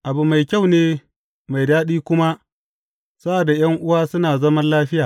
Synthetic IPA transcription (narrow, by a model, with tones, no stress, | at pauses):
ʔa˨bu˨ma˨jkʲa˦˨wneː˦ | ma˨jdaː˦ɗiː˦kʷʊ˦ma˦ | sa˦ʔa˨da˨j̰ɐ˦ŋʔʊ˦waː˦sʊ˦naː˨zɐ˦mɐ˦nlaː˦ɸɪ˦jaː˨